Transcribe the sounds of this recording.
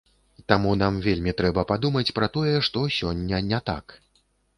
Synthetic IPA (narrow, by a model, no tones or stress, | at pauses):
t̪amun̪amvʲelʲmʲit̪ɾɛbɐpad̪umɐt͡sʲpɾɐt̪ɔjɛʂt̪ɔsʲɔnʲːɐnʲɛt̪a̰k